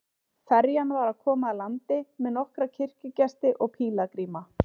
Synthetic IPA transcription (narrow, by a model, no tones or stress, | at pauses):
fɛɾjanvaɾaðkʰɔːmaːlant̪ɪmɛðnɔhkɾacʰɪr̥cʏcɛst̪ɪʔɔɣpʰiːlakɾiːma